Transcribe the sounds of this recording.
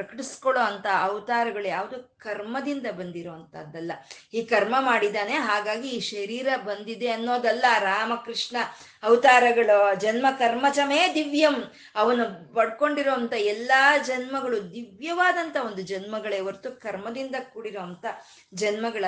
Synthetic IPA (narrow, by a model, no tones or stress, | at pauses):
pɾɐkɐʈiskɔɭoːɐnt̪ɐːʋt̪aːɾɐɡɐɭjaːʋɐd̪ukɐɾmɐd̪ind̪ɐbɐnd̪iɾoːɐnt̪ɐd̪ːɐlːɐ | iːkɐɾmɐmaːɽid̪aːne̞ɦaːɡaːɡiːʃɐɾiːɾɐbɐnd̪id̪eɐnːoːd̪ɐlːɐɾaːmɐkɾiʂɳɐː | ʋt̪aːɾɐɡɐɭud͡ʒɐnmɐkɐɾmɐt͡ʃɐmeːd̪iʋjɐm | ɐʋɐnːubɐɽko̞ɳɖiɾoːɐnt̪ɐɛlːɐd͡ʒɐnmɐɡɐɭud̪iʋjɐʋaːd̪ɐnt̪ɐo̞nd̪ud͡ʒɐnmɐɡɐɭeːʋɐɾt̪ukɐɾmɐd̪ind̪ɐkuːɽiɾoːɐnt̪ɐ | d͡ʒɐnmɐɡɐɭɐ